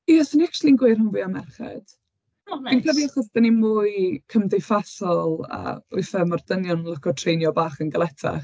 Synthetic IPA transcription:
iasəniakʃlˠinɡʊɨr̥hənvuːamɛrχɛ̰d̥ | inkʰəviaχɔsd̥ɛnimʊːɨjkʰəmdejfasɔlˠaə̰ʊ̰ɨfɛmard̥ənjɔnlˠəkʰɔtʰrejnjɔbaːχənɡəlˠɛtʰa̰χ

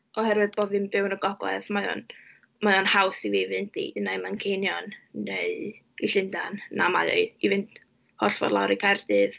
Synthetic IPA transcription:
ɔhɛɾwɨðboðɨmbɪwnəɡɔɡlɛ̰ðmaðɔ̰n | maðɔnhawsivivɨntʰḭnajmankʰejnjɔnːeɨ | iɬɪndanna̰ma̰ðɔ̰ɨivɨnt | hɔɬvɔ̰rlˠawɾikʰardɨð

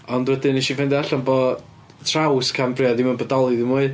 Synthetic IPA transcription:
ɔndwɛdɪniʃivɛndɛaɬɔnbɔ | tʰrawskʰambrɪadimanbədɔlˠɨðɪmuːɨ

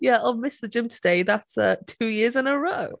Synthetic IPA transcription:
jæaɪmɪsðəd͡ʒɪ̃mtʰədeɪðatsə̰tʰʉːjɪəzɪ̃nəɹoʊ

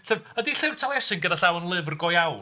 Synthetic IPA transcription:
ɬɛvədiɬɪr̥tʰalˠɛsɪŋɡədaɬawənlˠɪvrɡɔjaw

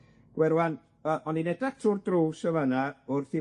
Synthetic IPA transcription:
ɡ̥wɛɾwan | əʔɔninɛdak̚tʰʊrdruːsəvənaʊrθi

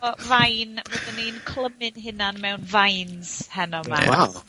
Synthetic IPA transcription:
ɔvajnvɔdənejnkʰl̥ˠəmɪnɦɪnanmɛwnvajnz̥hɛnɔma̰aw

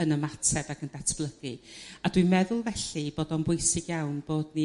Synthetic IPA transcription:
ənəmatʰɛbakʰəndatʰb̥lˠəɡɨadwimɛðʊlˠvɛɬib̥oːdɔnbʊjsɪɡjawnb̥oːdni

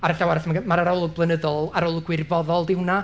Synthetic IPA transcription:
aɾəɬawaɾasmaɡəmaɾaɾɔlˠʊɡ̚blˠənəðɔlˠaɾɔlˠʊɡwɪrvɔðɔlˠdɪwna

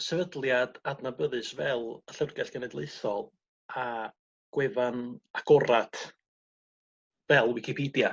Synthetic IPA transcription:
sɛvədlˠjad̥adnabəðɨsvɛlˠəɬərɡɛɬɡ̥ənɛdlˠeɨθɔlˠ | a | ɡ̥wɛvanaɡ̥ɔɾatʰ | vɛlˠwɪkʰipʰiːdja

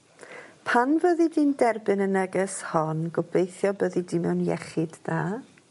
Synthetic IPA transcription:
pʰanvəðidiːndɛrbɨnənəɡəshɔnɡɔblejθjɔbəðidimɛwnjɛ̰χɨd̥daː

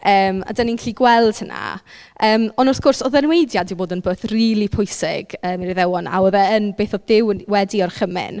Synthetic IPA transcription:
əːma̰daninkʰliɡwɛlˠd̥həna̰ | əːmɔnɔθɡ̥ʊrsɔðɛnwejdjadiboːdənbəːθriːlˠipʰʊɨsɪ̰ɡ̥əːmiriðɛwɔna̰wɔðɛənbeːθɔdɪwwɛdiɔrχəmɪ̰n

